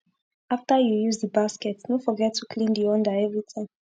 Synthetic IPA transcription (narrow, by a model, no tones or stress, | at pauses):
aftəjujuzdəbaskɛtsnofɔɡɛtʰːukʰlĩndiɔ̃ndəɛvɹitʰãŋ